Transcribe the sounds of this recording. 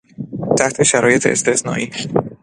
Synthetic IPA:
t̪ʰæht̪ʰe̞ʃæɾɒːje̞t̪ʰḛːst̪ʰesnɒ̰ːʔiː

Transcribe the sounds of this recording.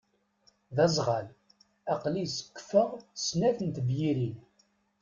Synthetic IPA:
ðæzˤʁɑl | æqlisə̥kːfəʁsnæθənt̪əvjiɾin

